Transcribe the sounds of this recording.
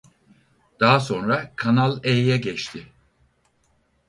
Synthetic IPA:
d̪̥aɦaso̞nɾakʰanalˠejjɛɟɛt͡ʃt̪ʰɪ

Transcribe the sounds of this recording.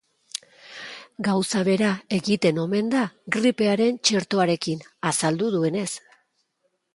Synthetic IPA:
ɡawsaβe̞ɾae̞ɣit̪e̞no̞me̞nd̪aɡɾipe̞aɾe̞nt͡ʃeɾt̪o̞aɾe̞kinasald̪uðue̞ne̞s

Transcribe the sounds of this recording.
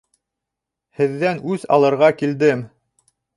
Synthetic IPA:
hɘ̆ðːænʉzɑ̰lˠɤ̆ɾʁɑkild̪ɘm

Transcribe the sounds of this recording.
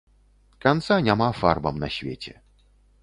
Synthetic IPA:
kant̪sanʲamafa̰rbɐmnɐsʲvʲet͡sʲɛ̰

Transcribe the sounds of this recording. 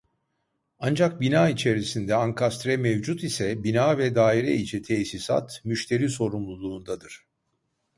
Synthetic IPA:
and͡ʒak̚binaːit͡ʃʰe̞ɾisind̪ɛaŋkʰast̪ɾɛmevd͡ʒut̪isɛbinaːvɛd̪aːiɾɛ̰it͡ʃʰɛt̪ʰesisa̰t̪myʃt̪ʰe̞ɾiːso̞ɾumlˠulˠuːnd̪ad̪ɯɾ̥

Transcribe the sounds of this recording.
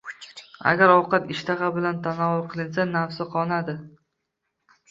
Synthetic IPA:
a̰ɡʲaɾɒwqɑt̪ɪʃt̪ʰaʁɑbɪlant̪ʰanɒʊɾqʰɨlˠɪnsanafsɪqʰɒnad̪ɪ

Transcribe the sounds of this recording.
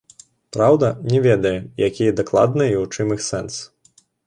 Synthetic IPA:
pɾawd̪ɐnʲɛvʲɛd̪ɐjɛjakʲijɐd̪aklˠa̰d̪nɨjiut͡ʂɨmixsɛns

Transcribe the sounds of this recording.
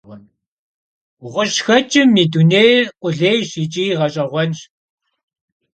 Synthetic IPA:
ʁɔn | ʁʷəɕxɐt͡ʃʼɪmːiːduneːjqʷʼʊɮeːjɕit͡ʃʼiːʁɐɕʼɐʁʷɔnʃ

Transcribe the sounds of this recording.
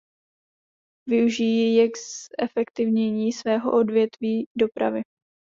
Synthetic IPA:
vɪuʒijɛjɛksɛfɛkt̪ɪvɲɛɲiːsvɛːɦo̞̰ʔo̞dvjɛt̪viːdo̞pɾa̰vɪ

